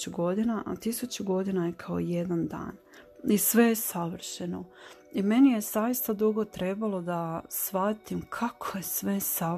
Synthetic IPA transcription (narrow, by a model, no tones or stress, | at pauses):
uɡo̞d̪inaʔat̪isut͡ɕuɡo̞d̪inajekʰao̰je̞d̪and̪a̰ːn | isʋe̞jesaʋr̩ʃeno | ime̞nije̞zajist̪ad̪uɡo̞t̪ɾe̞balˠo̞d̪asʋat̪imkʰakʰoje̞sʋe̞sa